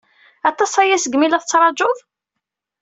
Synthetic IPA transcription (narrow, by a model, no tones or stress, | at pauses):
æt̪ˤːɑsˤæjæsəɡmilæθt͡sːɾˤɑd͡ʒʊðˤ